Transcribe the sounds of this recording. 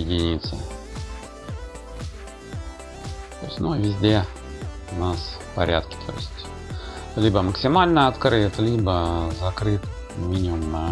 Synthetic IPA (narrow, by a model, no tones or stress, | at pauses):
ɪdʲinʲit̪sə̰ | t̪ojɪsʲtʲnuvʲɪzʲdʲe̞ | ʊnasfpɐ̰ɾʲa̰t̪kʲɪ̥t̪ʰo̞̰jɪ̰sʲtʲ | lʲibəməksʲɪmalʲnəɐt̪kɾɨt̪lʲibəzɐkɾɨt̪ | mʲinʲɪmʊmnə